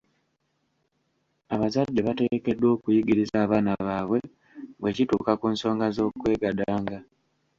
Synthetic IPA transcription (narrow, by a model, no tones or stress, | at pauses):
aβazadːe̞βate̞ke̞dːwo̞ːkujiɡiɾizaːβaːnaβaːβwe̞ | βwe̞cituːkakuːnso̞ːŋɡazo̞ːkwe̞ːɡadaːŋɡa